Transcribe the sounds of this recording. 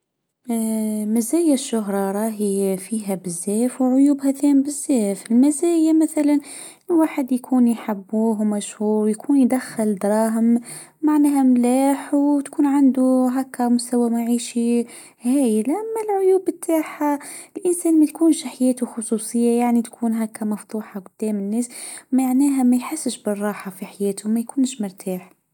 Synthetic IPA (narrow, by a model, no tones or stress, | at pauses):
mæzæːjaʃːʊɦɾˤɑɾˤɑːɦifiːɦæbɪzːɛːfwʕʊjuːbhæθɛːmbɪzːɛːfɪlmæzæːjamæθælan | waːħəd̪jkʰuːnjħabːuːɦwmæʃhuːɾwjkʰuːnjd̪æxɪld̪ɾˤɑːɦəm | maʕnɛːɦæmlaːħwt̪kʰuːnʕand̪uɦækːæmʊst̪æwæmaʕiːʃi | hæːjlʔæmːælʕʊjuːbət̪ʰːaħalʔɪnsæːnmæt̪kuːnʃħajæːt̪uxʊsˤusˤəjːajaʕnit̪kʰuːnɦækːæmɑft̪ˤuːħaqʊd̪̥ːæːmənːæːsmaʕnæːɦæmæjħəsːəʃbərˤːɑːħafiħajæːt̪ʊmæjkuːnʃmʊɾˤt̪ʰaːħ